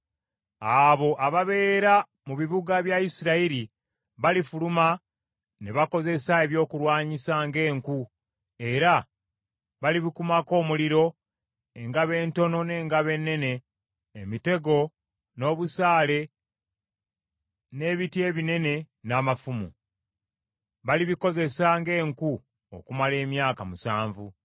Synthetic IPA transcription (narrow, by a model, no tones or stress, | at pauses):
aβo̞ʔaβaβe̞ːɾa | muβiβuɡaβjaisiɾaiɾi | βalifuluma | neβako̞ze̞sae̞βjo̞ːkulwaːɲisaŋɡe̞ːŋku | e̞ɾa | βaliβikumako̞ːmuliɾo̞ | e̞ŋɡaβe̞ːnto̞no̞ne̞ːŋɡaβe̞nːe̞ne̞ː | mite̞ɡo̞ | no̞ːβusaːle̞ | ne̞ːβitje̞ːβine̞ne̞ | naːmafumṵ | βaliβiko̞ze̞saːŋɡe̞ːŋku | o̰kumale̞ːmjaːkamusaːɱvu